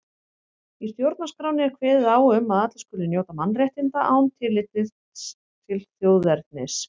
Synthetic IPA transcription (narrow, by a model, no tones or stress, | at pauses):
ist̪jowɾt̪naskɾaːwnɪɛɾ̥kʰvɛːðɪðaːwʏmːaðat̪lḁskʏːlʏnjoːwt̪amanːrjɛht̪ɪnt̪aʔaːwnt̪ʰɪlːɪt̪ɪ | t̪ʰɪlθjoːwðɛɾt̪̚nɪs